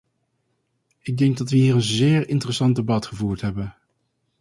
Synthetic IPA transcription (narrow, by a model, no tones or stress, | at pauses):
ɪɡ̚dɛŋɡ̚dɑtʋəɦiːɹənzɪːɹɪntərəsɑndebɑtχəvuːɹtɦɛbən